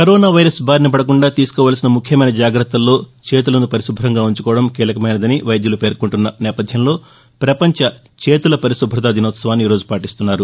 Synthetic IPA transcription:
kɐɾoːnaːʋɐjɾɐsbʱaːɾnɐp̬ɐɽɐkuɳɖaːt̪iːsu̥kɔːʋaːlɐsinɐmukʰjɐmɐjnɐd͡ʒaːɡɾɐt̪ːɐlːo̞ːt͡ʃe̞ːt̪̬ulɐnupɐɾisubʱɐɾɐŋɡaːuɲt͡ʃu̥kɔːʋɐɽɐmkiːlɐkɐmɐjnɐd̪ɐniʋɐjd̪julupeːɾkuɳʈunːɐnɛːpɐd̪ʱjɐmlo̞ː | pɾɐpɐɲt͡ʃɐ | t͡ʃe̞ːt̪ulɐpɐɾiʃubʱːɾɐt̪aːd̪ʱinɔːt̪sɐʋaːnːiːɾo̞ːd͡ʒupaːʈist̪unːaːɾu

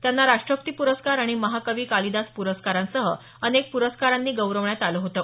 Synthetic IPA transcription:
t̪janːaɾaʂʈɾəp̚t̪iːpuɾəskaɾaɽ̃iməɦakəʋiːkalid̪aspuɾəskaɾãnsəɦə | ənek̚puɾəskaɾãnːiːɡəwɾəʋɳjat̪aləɦot̪əː

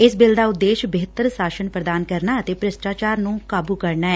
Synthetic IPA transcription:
ɪsbɪld̪aːʊd̪ːeːʃbɪɦət̪əɾsaːʃənpɾəd̪aːnkəɾnaːət̪eːpɾɪsʈaːt͡ʃaːɾnũːkaːbuːkəɾnaːɛː

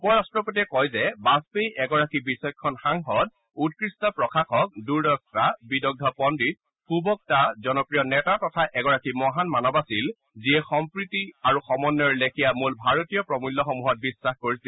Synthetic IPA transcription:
pɔjastɹɔpot̬iɛkɔjzɛbaspejʔɛɡɔɹakibisɔjkʰɔnxaŋxɔt̚ | ut̚kɹistɔpɹɔkʰaxɔk̚duɹdɔk̚tabidɔɡ̚dʱɔpɔndɹit̚ | xubɔk̚tazɔnɔpɹijɔnɛtatɔtʰaʔɛɡɔɹakimɔɦanmanɔbasil | ziɛxɔmpɹitiaɹuxɔmɔnːɔɹlekʰijamulbʱaɹotijɔpɹɔmulːɔxɔmuɦɔt̚bisːaxkoɹisi

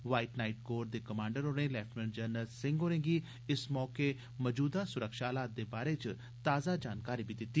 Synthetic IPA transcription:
ʋaːiʈnaːiʈɡoːɾd̪eːkəmãːɳɖəɾoːɽẽːlɛːfʈmənd͡ʒəɾnəlsɪ̃ŋɡɦoːɾẽːŋɡiː | ɪsmɔːkeː | məd͡ʒuːd̪aːsʊɾəkʃaːlaːt̪̚d̪eːbaːɾeːt͡ʃ | t̪aːzaːd͡ʒaːnkaːɾiːbid̪ɪt̪ːiː

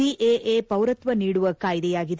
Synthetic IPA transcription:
iʔeːʔeːpɐwɾɐt̪ʋɐniːɽuʋɐkaːjd̪ɛjaːɡid̪

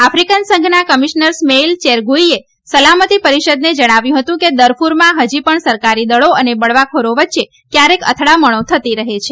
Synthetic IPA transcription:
afɾikansə̃ŋɡʱnakəmiʃnəɾsmeilt͡ʃeɾɡuie | səlamət̪ipəɾiʃəd̪ned͡ʒəɽ̃aʋjũɦət̪ũked̪əɾfʰuɾmãɦəd͡ʒipəɳsəɾkaɾid̪əɭoənebəɭʋakʰoɾoʋətːʃe | kjaɾekə̰t̪ʰɽaməɽ̃ot̪ʰət̪iɾəɦet͡ʃʰe

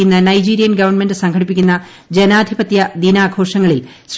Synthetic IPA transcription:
unːɐnɐjd͡ʑiːɾijɐnɡɐʋɐrnme̞ndɨsɐŋɡʰɐɽipːikʲːunːɐ | d͡ʑenaːd̪ʱibɐt̪jɐd̪inaːɡʰo̞ːʂɐŋːɐɭil | s

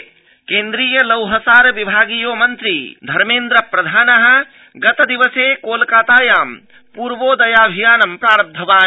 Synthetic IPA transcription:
kẽːnd̪ɾiːjəlɐwɦɐsaːɾʋibʱaːɡijomɐnt̪ɾḭd̪ʱɐɾmeːnd̪ɾɐpɾɐd̪ʱaːnɐɦə̆ | ɡɐt̪ɐd̪iʋəseːkoːlkaːt̪aːjaːm | puːɾʋoːd̪ɐjaːbʱijaːnɐmpɾaːɾɐb̚d̪ʱɐʋaː

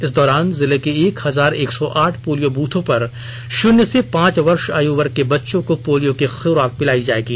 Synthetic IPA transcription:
ɪsd̪ɔːɾaːnzɪlekieːkhɐzaːɾeːksɔʔaːʈʰpoːlijobuːt̪ʰõpɐɾ | ʃʊnjəsepãːt͡ʃʋɐɾʃaːjuːʋəɾkebɐtːʃõkopoːlijõkexɪɾaːk̚pɪlaːid͡ʒaːeːɡiː

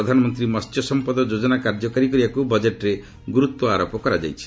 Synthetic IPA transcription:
ɔd̪ʱanɔmɔnt̪ɾimɔstjɔsɔmpɔd̪ɔd͡ʒod͡ʒɔnakaɾd͡ʒɔkaɾik̬ɔɾibakubɔd͡ʒeʈɾe | ɡuɾut̪wɔaɾɔpɔkɔɾad͡ʒa̰jt͡ʃʰi̥

